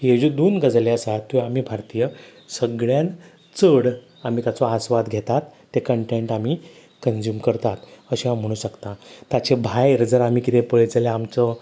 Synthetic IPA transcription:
ɦed͡ʑud̪uːnɡəd͡zleəsat̪ːuamiːbʱaɾt̪ijə | səɡɭjan | t͡səɽ | am̤iːt̪jat͡sɔasʋad̪ɡʱet̪at̪ːekəɳʈeɳʈamiː | kənd͡ʑjuːmkəɾt̪at̪əɕĩɦãm̤əɽ̃ũːɕəkt̪ãt̪at͡ɕebʱajɾəd͡zəɾam̤iːkit̪epəɭt͡sleamt͡sɔ

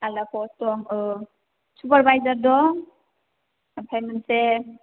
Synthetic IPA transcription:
alakʰɔstɔŋ | supaɾbajzaɾdɔ | pʰemense

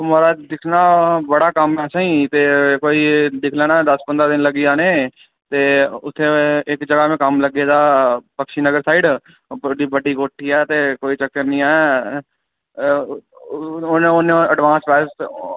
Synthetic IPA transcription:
maːɾaːd̪ɪkʰnaːbəɽaːkəmɛːsãːĩːt̪eːkoːiːd̪ɪkʰlɛːñaːd̪əspənd̪ɾaːd̪ɪnləɡiːaːneː | t̪eːʊt̪ʰːeːɪkd͡ʒəɡaːmẽːkəmləɡeːd̪aːpəkʃiːnəɡəɾsaːiːɖ | əɖiːbəɖiːɡoːʈʰːiːɛːt̪eːkoːiːt͡ʃəkːəɾnĩːɛː | neonẽəɖʋãːnspɛːs

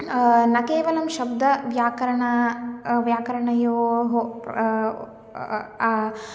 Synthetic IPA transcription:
nɐkeːʋɐlɐmʃɐbd̪ɐʋjaːkɐɾɐɳɐʋjaːkɐɾɐɳɐjoːɦo

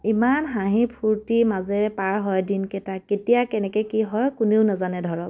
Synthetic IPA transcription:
imanɦãɦĩpʰuɹtimazɛɹɛpaɹɦɔjdinkɛtaketijakɛnɛkɛkiɦɔjkuneʊnazanɛdʱɔɹɔp

